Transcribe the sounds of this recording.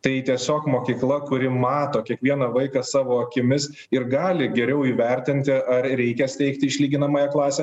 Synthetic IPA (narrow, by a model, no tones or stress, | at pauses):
t̪ɐɪt̪ʲiɛsʲoːkmoːkʲiːklˠɐkʊɾʲɪmɑːt̪oːkʲiɛkʋʲiɛnɐʋɐɪkɑsɑːʋoːɐkʲɪmʲɪs | ɪɾɡɑːlʲɪɡʲɛɾʲɛʊiːʋʲɛɾʲt̪ʲɪnʲt̪ʲɪʔɐɾɾʲɛɪkʲɛsʲt̪ʲɛɪkt̪ʲɪɪʃʲlʲiːɡʲɪnɐmɑːjɛklˠɑːsʲɛ